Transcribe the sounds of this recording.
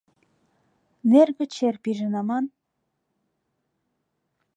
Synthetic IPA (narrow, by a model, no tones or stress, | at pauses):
nerɡɘ̆t͡ɕerpiʒə̆nɑmɑn